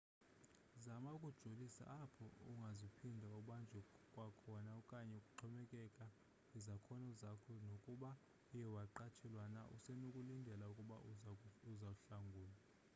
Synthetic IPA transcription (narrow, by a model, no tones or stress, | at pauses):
zamaukʼud̥ʒ̥ʱolisa̰ʔːpʰɔ̰ṵŋɡʱazipʰindʱauɓand͡ʒʱɛkʼwakʰɔnaɔkʼaɲɛukʼuǃʰɔmɛkʼɛkʼa | izakʰɔnɔzakʰɔnokʼuɓa | ijɛwaǃat͡ʃʰɛlwana̰ʔṵsɛnukʼulindʱɛlaukʼuɓa̰uzauɬaŋɡʱuːla